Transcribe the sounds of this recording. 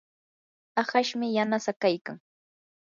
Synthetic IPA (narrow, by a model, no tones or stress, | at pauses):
aχaʃmɪjanasakajkaŋ